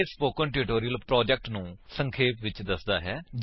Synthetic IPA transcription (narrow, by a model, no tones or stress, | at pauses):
spoːkəʈɪɾɪʈoːɾijəlpɾɔːd͡ʒɛk̚ʈnũːsə̃ŋkʰeːpʋɪt͡ʃd̪əsd̪aːɦɛːd͡ʒ